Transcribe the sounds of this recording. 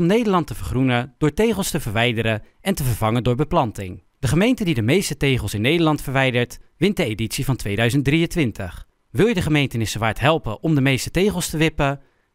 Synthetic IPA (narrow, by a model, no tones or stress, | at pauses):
mnejdəɹlɑntəvəɹχrunəd̥ʊːɹtejχəlˠstəvəɹʋɛjdəɾə | ɛntəvəɹvɑŋəndʊːɹbəplɑntɪ̰ŋ | d̥əχəmejntədidəmejstətejχəlˠsɪnːejdəɹlɑntfəɹʋɛjdəɹtʋɪnt̚dəejditsivɑntʋejdœɥzənt̚driəntʋɪntəχ | ʋɪlˠjədəχəmejntənɪsəʋaːɹtɦɛlˠpəʔɔmdəmejstətejχəlˠstəʋɪpə